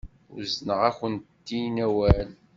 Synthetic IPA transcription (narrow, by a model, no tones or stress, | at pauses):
ʊ̰ɾznəʁæçənt̪ːinæwæl